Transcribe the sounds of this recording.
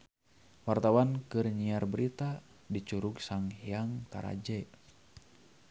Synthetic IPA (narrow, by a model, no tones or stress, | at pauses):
wart̪awankɨrɲiarbəɾit̪a | dit͡ʃuɾuɡsaŋiaŋt̪a̰ɾa̰d͡ʒɛ